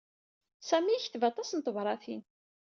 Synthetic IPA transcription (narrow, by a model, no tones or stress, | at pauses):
sæmiçθvɑt̪ˤɑsnt̪ˤəvɾˤɑθin